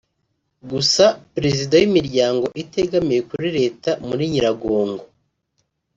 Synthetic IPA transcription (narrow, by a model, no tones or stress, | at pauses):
ɡusapɾe̞zidajimiɾɟaːŋɡo̞ʔite̞ɡamiɾe̞kuɾiɾe̞ːtamuɾiɲiɾaɡo̞ːŋɡo